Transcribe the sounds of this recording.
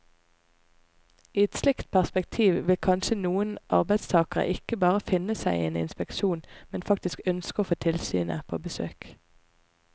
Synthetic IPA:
iːɛt̪slɪkt̪̚pʰæʁspɛk̚t̪ʰiːʋʋɪlkʰɑnʃənuːənʔɑ̰ʁbæɪd̪st̪ʰɑːkəʁə̰ʔɪkəbɑːʁəfɪnəsæɪeːnɪ̰nspɛkʃuːnmɛnfɑk̚t̪ɪskœnskəoːfoːt̪ʰɪlsy̰ːnə̰pʰo̰ːbəsø̰ːk

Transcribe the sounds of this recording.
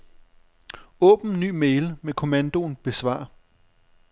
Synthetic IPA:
ɔ̰̽ːb̥n̩ny̰ːmeɪlmekʰo̝mænd̥o̝nb̥e̝sʋɑ̰̈ːɐ

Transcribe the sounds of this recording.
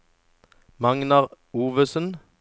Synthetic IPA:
mɑŋnɑʁ | uːʋəsən

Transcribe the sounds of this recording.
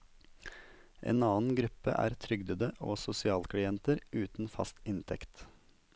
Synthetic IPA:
ʔḛːnɑːn̩ɡɾʉpə̰ʔæ̰ːɾt̪ʰɾʏɡd̪əd̪əʔo̰ːsʊsɪɑːlkʰɽɪɛnt̪əɾʉːt̪n̩fɑ̰st̪ɪnt̪ʰɛkt̪

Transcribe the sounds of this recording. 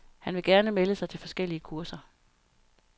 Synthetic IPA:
hænʋe̝ɡ̥æɐnəmeləsɑ̈ɪt͡sʰe̝lfɒ̽sɡ̥el̰iəkʰuɐsɐ

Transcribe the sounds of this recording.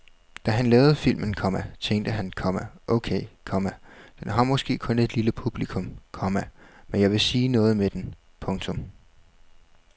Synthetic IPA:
d̥æɦænlɛːʊð̞̩ˠfil̰mənkʰɒ̽mæt͡sʰeŋd̥əɦænkʰɒ̽mæʔɔʊkʰeːɪkʰɒ̽mæd̥enɦɑ̈mɒ̽sɡ̥e̝̰ːkʰɔ̽ne̝d̥liləpʰub̥likʰɔ̽mkʰɒ̽mæmenjɑ̈ɪʋe̝siːnɔ̽ːð̞̩ˠmed̥en | pʰɔ̽ŋt͡sʰɔ̽m

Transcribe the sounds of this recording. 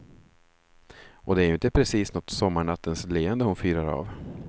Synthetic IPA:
ʔɔd̪ɛæɾjɵɪnt̪əpʰɾɛsiːsnɔt̪sɔmːaɳat̪ʰːənsleːənd̪əhʊnfyːɾaɾɑ̰ːv

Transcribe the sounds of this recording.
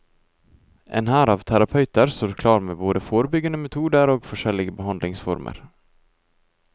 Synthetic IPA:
ʔḛːnhæːɾɑːʋt̪ʰæɾɑpʰœʉt̪əɾst̪oːɾkʰlɑːɾmḛːboːd̪əfoːɾəbʏɡənəmɛt̪ʰuːd̪əɾoːɡfɔʃɛlɪɡəbəhɑnd̪lɪŋsfɔ̰ɾmʔə̰ɾ

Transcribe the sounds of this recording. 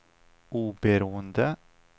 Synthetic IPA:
ʔuːbəɾuːənd̪ə

